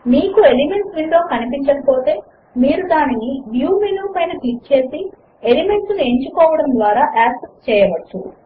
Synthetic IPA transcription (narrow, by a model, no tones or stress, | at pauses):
miːkuelime̞ɳʈsʋiɳɖ̪o̞ːkɐnipiɲt͡ʃːɐkɐpoːt̪e̞ː | miːɾud̪aːniniʋjuːmiljuːpɐjnɐʈiːk̚t͡ʃe̞ːsi | elime̞ɳʈsnueɲt͡ʃukɔːʋɐɽɐmnd̪ʋaːɾaːʔaːksest͡ʃɛːjɐʋɐt͡ʃːu